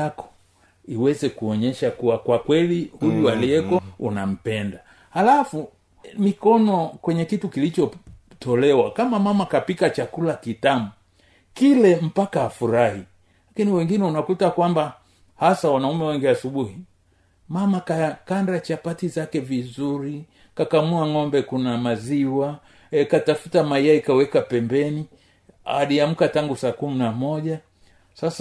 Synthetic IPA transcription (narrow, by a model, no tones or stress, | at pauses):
akɔ̥ | iwɛzɛkuɔɲɛʃakuwakwakwɛlihujualiɛkɔunam̩pɛnda | halafu | mikɔnɔkwɛɲɛkitukilit͡ʃɔ | tɔlɛwakamamamakapikat͡ʃakulakitamu | kilɛm̩pakaːfuɾahi | lakiniwɛŋɡinɛunakutakwamba | hasawanaumɛwɛŋɡiasuɓuhi | mamakakandat͡ʃapatizakɛvizuɾi | kakamuaŋɔmbɛkunamaziwa | katafutamaiaikawɛkapɛmbɛni | a̰liam̩kataŋɡusaːkuminamɔʄa | sasa